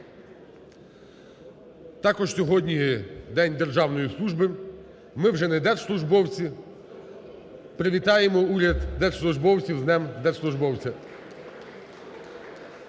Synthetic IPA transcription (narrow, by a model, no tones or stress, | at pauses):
t̪ɑkɔʒsʲɔɦɔdʲnʲid̪ɛnʲd̪e̞rʒɑwnɔjislˠuʒbɪ | mɪwʒɛnɛd̪ɛrslˠʊʒbɔwt͡sʲi | pɾeʋʲit̪ɑjemɔuɾʲɐd̪d̪ɛrslˠʊʒbɔwt͡sʲiwznɛmd̪ɛrslˠʊʒbɔwt͡sʲɐ